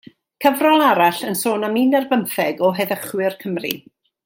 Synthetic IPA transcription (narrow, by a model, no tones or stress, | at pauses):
kʰəvrɔlˠaɾaɬənsoːnamiːnɛrvənθɛɡɔɦɛðəχwɪrkʰəmrḭ